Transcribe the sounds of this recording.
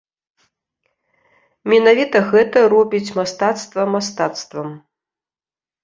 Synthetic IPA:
mʲɛnavʲit̪ɐɣɛt̪ɐɾɔbʲit͡sʲmast̪at̪st̪vɐmast̪at̪st̪vɐm

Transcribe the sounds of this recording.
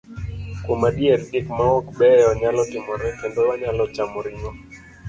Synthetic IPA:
komadieɾdɪkmaɔkbɛɔɲalɔtɪmɔɾɛkɛndowaɲalɔt͡ʃamɔɾɪɲɔ

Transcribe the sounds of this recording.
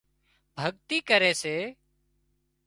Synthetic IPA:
bʱəɠt̪iːkəɾeːseː

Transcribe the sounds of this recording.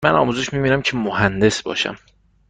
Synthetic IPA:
mænɒ̰ːmuːzeʃmiːbiːnæmcʰemohænd̪e̞sbɒ̰ːʃæ̰m

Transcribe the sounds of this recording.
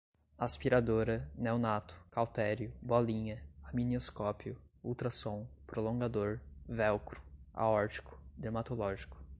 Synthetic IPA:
aspiɾad̪oɾɐnewnat̪ʊ̥kawt̪ɛɾjʊbɔlĩɲɐaminoskɔpjʊuwt̪ɾɐsõw̃pɾolõɡad̪oɾvɛwkɾʊ̥a̰ɔɾt͡ʃi̥kʊ̥d̪ɾemat̪olɔʒikʊ̥

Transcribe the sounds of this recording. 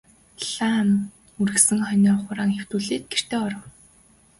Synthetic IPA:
ɮaːm | uɾɘ̆ksɘ̆ŋχœnʲɔːχʊɾaːŋxew̥t̪uːɮeːt̪̚ɡ̥er̥t̪eːɔɾɞ̆w

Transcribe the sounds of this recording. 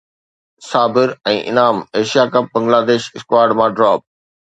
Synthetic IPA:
saːbɪɾɛ̃ːʔɪ̰naːmeːʃijaːkɐp̚bɐ̃ŋɡlaːd̪eːʃɪskwaːɾɖmãːɖɾɔːp̚

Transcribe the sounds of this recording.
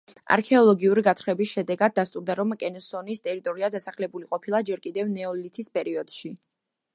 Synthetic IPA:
a̰ɾkʰɛɔlˠɔɡiuɾiɡat̪ʰχɾɛbisʃɛd̪ɛɡad̪̚ːast̪ʼuɾd̪aɾɔmkʼɛnɛsɔnist̪ʼɛɾit̪ʼɔɾiad̪asaχlɛbuliqʼɔpʰilˠad͡ʒɛɾkʼid̪ɛvnɛɔlit̪ʰispʼɛɾiɔd̪̥ʃi

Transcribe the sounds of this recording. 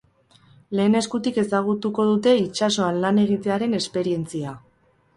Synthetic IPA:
le̞ːne̞skut̪ike̞saɣ̞ut̪uko̞ð̞ut̪e̞it͡ʃaso̞anlane̞ɣ̞it̪e̞aɾe̞ne̞spe̞ɾie̞nt͡sia

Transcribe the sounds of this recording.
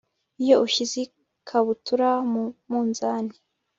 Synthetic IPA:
ijoʔuʃizi | kʰaβutuɾamumuːnzaːni

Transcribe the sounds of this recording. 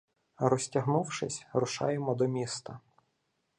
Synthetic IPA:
ɾɔsʲtʲɐɦnuwʃɪsʲɾʊʃɑ̰jemɔd̪ɔmʲist̪ɐ

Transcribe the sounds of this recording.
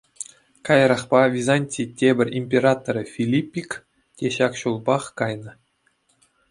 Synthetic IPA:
kɑjɤɾɑχpɑvʲizɑnʲtʲitʲebʲɘ̆rʲimʲpʲerɑt̪oɾʲɤfʲilʲipʲːik | tʲeɕɑkɕulˠbɑχkɑjnɤ̆

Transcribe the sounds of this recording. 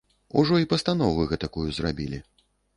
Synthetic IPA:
uʐɔipɐst̪anɔvɨɣɛt̪akujuzrabʲilʲi

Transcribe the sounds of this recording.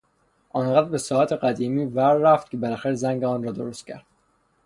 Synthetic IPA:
ʔɒnɢæd̪ɾbe̞sɒːæt̪ʰeɡæd̪iːmiːvæɾːæft̪̚cʲʰebelæxæɾezæŋɟeɒːnɾɒːd̪oɾost̪̚cʰæ̰ɾd̪̥

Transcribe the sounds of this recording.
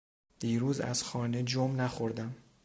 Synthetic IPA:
d̪̥iːɾuːzæ̰z̥xɒːne̞d͡ʒomnæxoɾd̪æm

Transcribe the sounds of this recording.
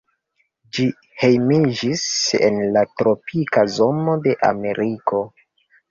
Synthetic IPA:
d͡ʒi | he̞jmid͡ʒisḛnlatɾo̞pʰikazo̞mo̞de̞ʔa̰me̞ɾiko̞

